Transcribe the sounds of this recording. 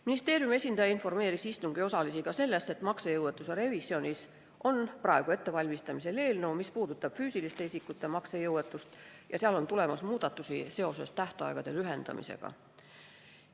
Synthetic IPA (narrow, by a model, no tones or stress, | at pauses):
minist̪e̞ːɾjume̞sʲind̪ɑjɑinfo̞rme̞ːɾisist̪uŋɡ̥io̞sɑlisiɡ̥ɑse̞lːe̞st̪e̞t̪ˑmɑksejɤwet̪ːˑuseɾe̞visio̞nʲis | ʔo̞nprɑe̞ɡ̥ue̞t̪ːe̞vɑlʲmist̪ɑmise̞le̞ːlnewmispuːd̪̥ut̪ːˑɑb̥fyːsilist̪e̞isikːˑut̪ːˑe̞mɑksejɤwe̞t̪ːˑust̪jɑseɑlo̞nt̪ule̞mɑsmuːd̪̥ɑt̪ːˑusise̞o̞se̞st̪æht̪ɑ̰eɡ̥ɑd̪̥e̞lyɦe̞nd̪̥ɑ̰mḭse̞̰ɡ̥ɑ̰